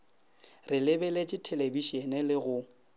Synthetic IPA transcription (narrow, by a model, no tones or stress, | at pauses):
rɪlɪbɛlet͡ʃʼɪtʰelebiʃenɪlɪɣʊ